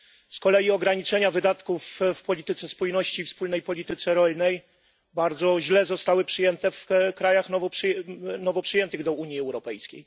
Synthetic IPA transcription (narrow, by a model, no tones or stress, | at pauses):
skɔlɛjiɔɡɾaɲit͡ʂɛɲavɘd̪at̪kufːpɔlʲit̪ɘt̪sɛspujnɔɕt͡ɕifspulnɛjpɔlʲit̪ɘt̪sɛɾɔlnɛj | baɾd̪zɔʑlɛzɔst̪awɘpʂɘjɛnt̪ɛfkɾajaxnɔvɔpʂnɔvɔpʂɨjɛnt̪ɘɣd̪ɔuɲjiɛwɾɔpɛjskʲḛj